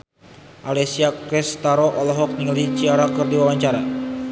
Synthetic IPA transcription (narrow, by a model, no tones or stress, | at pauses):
ʔalɛsiakɾɛst̪aɾɔʔɔlɔɦɔk̚ɲiŋlit͡ʃiaɾakɨrdiwawaɲt͡ʃaɾa